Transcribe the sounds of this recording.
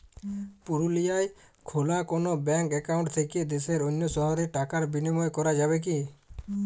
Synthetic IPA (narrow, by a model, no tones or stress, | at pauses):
puɾulijaj | kʰolakonobɛŋkɛkawɳʈt̪ʰeked̪eseɾonːosɔɦaɾiʈakaɾbinimɔekɔɾad͡ʒaβek̬i